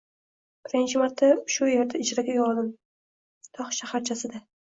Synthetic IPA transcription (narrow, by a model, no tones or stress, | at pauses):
b̥ɪɾɪnt͡ʃʰɪmaɾt̪ʰːaʃʊjeɾd̪aɪd͡ʒɾaɡʲajɒlˠd̪ɪm | t̪ʰɒχʃahaɾt͡ʃʰasɪd̪a